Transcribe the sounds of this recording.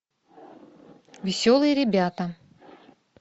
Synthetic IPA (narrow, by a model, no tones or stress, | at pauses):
vʲɪsʲolˠɨjəɾʲɪbʲat̪ə